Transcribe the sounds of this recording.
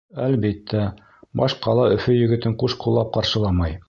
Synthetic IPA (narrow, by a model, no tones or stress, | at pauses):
ælβit̪ʰːæ | bɑʃqɑlˠɑɵ̆fɵjɵ̆ɡɘ̆t̪ɘɴquʃqulˠːɑp̚qɑɾʃɤ̆lˠɑmɑj